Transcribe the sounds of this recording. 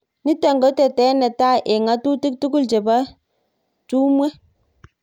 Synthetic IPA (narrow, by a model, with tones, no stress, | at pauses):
ni˦ta˨ŋɡɔ˨˦tɛ˨tɛ˦nɛ˨ta˦ʔe˨ŋa˦tu˦ti˦k̚tu˦ku˦lt͡ʃe˨ba˦ | tu˦mwe˦